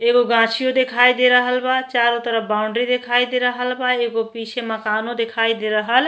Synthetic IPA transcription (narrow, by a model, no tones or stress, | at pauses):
eɡoɡãt͡ʃʰijod̪ekʰajd̪eɾəɦəlbat͡ʃaɾot̪əɾəbauɳɖɾid̪ekʰajd̪eɾəɦəlbaeɡopisʰemakanõd̪ekʰajd̪eɾəɦəl